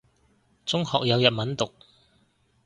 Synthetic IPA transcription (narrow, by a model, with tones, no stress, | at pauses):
t͡sʊ˥ŋhɔ̰ː˨k̚jɐ˨˧wjɐ˨t̚mɐ˨˥nt̪ʊ˨k̚